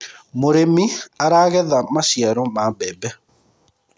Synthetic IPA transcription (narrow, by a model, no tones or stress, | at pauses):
moɾemiaɾaɣɛðamasjɛɾɔmabɛbɛ